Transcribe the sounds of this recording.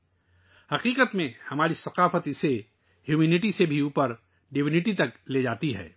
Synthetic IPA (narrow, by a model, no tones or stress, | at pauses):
hɐqiːqət̪mẽhɐmaːɾisɐqaːfət̪ɪse | hjuːmeːnɪʈisebʱiuːpəɾ | ɖɪʋɪnɪʈit̪ɐkled͡ʒaːt̪iɦɛ̰ː